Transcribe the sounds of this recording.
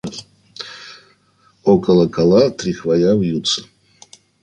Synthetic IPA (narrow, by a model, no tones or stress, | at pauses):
ɔkʼəlˠəkʰʼalˠat̪ɾʲixvajavjut̪sʰə̥